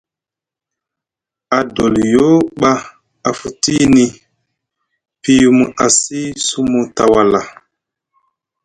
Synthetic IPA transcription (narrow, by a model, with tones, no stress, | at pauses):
a˨do˨ljo˦ɓa˦ | a˨fu˨ti˦ni˦ | pi˦ju˦mu˨ʔa˨si˦su˦mu˨ta˨wa˨la˨